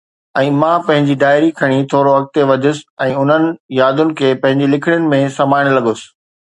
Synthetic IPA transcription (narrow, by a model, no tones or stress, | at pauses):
ɛ̃ːmãːpɐ̃ɦɪ̃ɲd͡ʑid̪aːɪɾikʰɐɽ̃it̪ʰoːɾoɐk̚t̪eʋɐd͡ʑʱʊsɪ̥ɛ̃ːʊn̤ənɪ̆jaːd̪ʊnɪ̆kʰeːpɐ̃ɦɪ̃ɲd͡ʑilɪkʰɪɽ̃jʊnɪ̆mẽsɐmaːɪɽ̃lɐɠʊsɪ̥̆